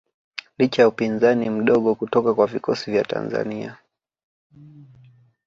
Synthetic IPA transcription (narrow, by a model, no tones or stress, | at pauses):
lit͡ʃajaupinzanim̩ɗɔɠɔkutɔkakwavikɔsivjata̰nza̰nia̰